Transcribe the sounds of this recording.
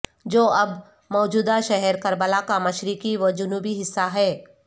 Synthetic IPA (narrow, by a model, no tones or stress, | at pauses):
d͡ʒoːɐb | mɔːd͡ʒuːd̪aʃɛɦɛɾkɐɾbəlakamɐʃɾikiʋɐd͡ʒʊnuːbiɦɪsːaɦɛː